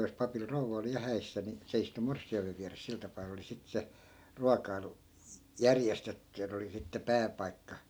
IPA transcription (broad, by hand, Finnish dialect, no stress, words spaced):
jos pɑpil rouʋɑ oli jɑ hæisːæ ni se istu morsːiɑimeʋ̆ ʋiæres sil tɑpɑː oli sit se ruɑkɑilu jærjestetːy jɑ ne oli sitːe pæːpɑikːɑ